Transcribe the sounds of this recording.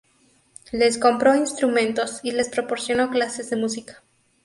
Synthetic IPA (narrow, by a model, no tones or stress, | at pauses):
le̞sko̞mpɾo̞inst̪ɾumẽnt̪o̞sile̞spɾopo̞ɾsjo̞no̞klase̞zðemusikḁ